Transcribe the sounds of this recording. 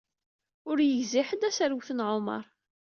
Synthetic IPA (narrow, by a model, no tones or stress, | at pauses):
ʊɾjəʝziħəd̪æsəɾwθənʕomə̰ɾˤ